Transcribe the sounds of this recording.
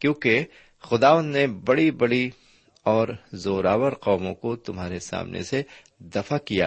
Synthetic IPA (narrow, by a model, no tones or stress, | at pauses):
kjõːke | xʊd̪aːʋə̃nd̪nebɐɽibɐɽi | ɔːɾzoːɾaːwəɾqɔːmõkot̪ʊmɦaːɾesa̰ːmnʔḛse | d̪ɐfakija̰ː